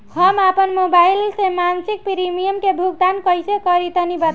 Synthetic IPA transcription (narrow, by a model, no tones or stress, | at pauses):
ɦʌmapənmobajlsẽmansik̚piɾimijəmkebʱuɡ̚d̪ankʌjsekʌɾit̪ʌnibat̪